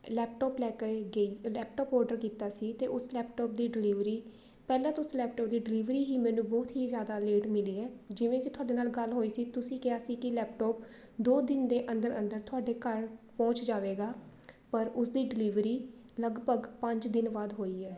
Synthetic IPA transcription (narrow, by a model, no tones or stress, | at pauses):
lɛːp̚ʈɔːplɛːkeɡəiːlɛːp̚ʈɔːpɔːɾɖəɾkiːt̪aːsiːt̪eːʔʊslɛːpʈɔːp̚d̪iːɖɪliːʋɾiː | pɛːlãːt̪ʊslɛːp̚ʈɔːp̚d̪iːɖɪliːʋɾiːɦiːmɛ̃ːnũːbɔːt̪ɦiːzjaːd̪aːleːʈmɪliːɛːd͡ʒɪʋẽːkɪt̪ʰʊaːɖeːnaːlɡəlɦoːiːsiːt̪ʊsĩːkɪaːsiːkɪlɛːpʈɔːp | d̪oːd̪ɪnd̪eːʔə̃nd̪əɾə̰̃nd̪əɾt̪ʰʊaːɖeːkəɾpɔ̃ːt͡ʃd͡ʒaːʋeːɡaː | pəɾʊsd̪iːɖɪliːʋɾiː | ləɡbʱəɡpə̃ɲd͡ʒd̪ɪnʋaːd̪ɦoːiːɛː